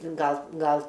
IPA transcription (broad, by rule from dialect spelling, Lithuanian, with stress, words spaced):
ˈɡɐlˠ ˈɡɐlˠ